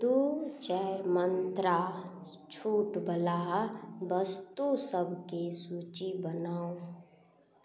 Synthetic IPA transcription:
t̪ut͡ʃɛɾmənt̪ɾa | t͡ʃʰuːʈbəlaɦbəst̪usəbʱkesuːt͡ʃibənaːo

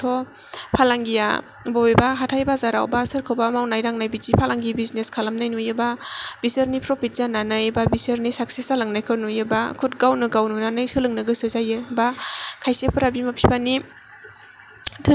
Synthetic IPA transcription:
tʰɔ | pʰalaŋɡija̰ | bɔjbaɦatʰajbazaɾawbasɯɾkʰɯwbamawnajɾaŋnajbizipʰalaŋɡibizneskʰalamnajnujɯbab̥isəɾnipʰɾɔpʰit̚z̥ananɯjbabisəɾnisak̚sesalaŋnajkʰɯnujɯba̰kʰut̚ɡawnɯɡawnunanɯjsɯlɯŋnɯɡɯsɯzajɯbakʰajsepʰɯɾabimapʰibani | tʰɯ

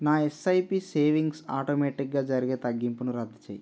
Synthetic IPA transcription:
naːesɐjpiːseːʋiŋɡsa̰ːʈoːmeːʈik̚ɡaːd͡ʒɐɾiɡeːt̪ɐɡːimpunuɾɐd̪ʱːit͡ʃḛːji

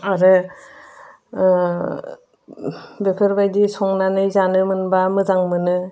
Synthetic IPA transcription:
aɾɯ | bepʰɯɾbajdisɔŋnanɯjzanɯmɯnbamɯzaŋmɯnɯ

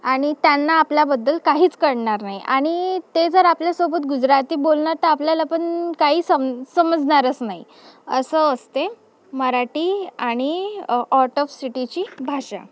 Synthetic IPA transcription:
aɽ̃it̪janːaːpljabəd̪ːəlkaɦiːt͡skəɽɳaɾnaɦjiʔaɽ̃it̪ed͡zəɾapljasobət̪ɡud͡zɾat̪iːbolɳaɾt̪əapljalapəɳkaɦiːsəmsəməd͡zɳaɾət͡snaɦi | əsəəst̪e | məɾaʈiːaɽ̃iɔɾʈɔfsiʈit͡ɕiːbʱaʂa̰

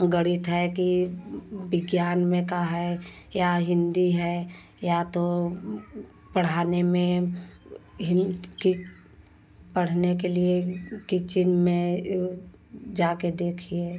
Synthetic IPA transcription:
ɡəɽɪt̪ɦɛki | bɪɡjaːnmẽkaɦɛjaɦɪ̃nd̪iɦɛ | jat̪o | pəɽ̤aːnemẽ | ɦɪki | pəɽ̤nekeliekit͡ʃɪnmẽ | d͡ʒaːked̪eːkʰieː

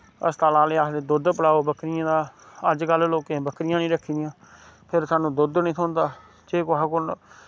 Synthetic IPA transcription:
ə̰st̪aːlãːleːaːsd̪eːd̪ʊd̪pəlaːoːbəkɾɪjãːd̪aːəd͡ʒkəlloːkẽːbəkɾɪjãːnĩːɾəkʰːiːd̪ɪjãː | pʰɪɾsaːnũːd̪ʊd̪nĩːsʰʊːnd̪aː | d͡ʒeːkːɦakʊn

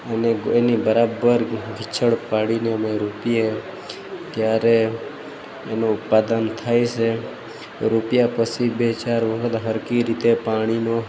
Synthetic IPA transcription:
əneenibəɾabəɾɡʱɪt͡ʃʰəɽpaɽineəmeɾupie | t̪jaɾeː | nõːt̪̚pad̪ənt̪ʰajt͡ʃʰe | ɾupjapət͡ʃʰibet͡ʃaɾʋəɦət̪ɦəɾkiɾit̪epaɽ̃ino

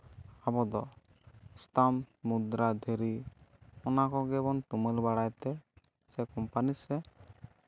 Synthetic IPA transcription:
abɔd̪ɔ | ist̪amːud̪ɾad̪ʱeɾi | ɔnakɔɡɛbɔntuməlbaɽajt̪ɛ | sɛkɔmpanisɛ

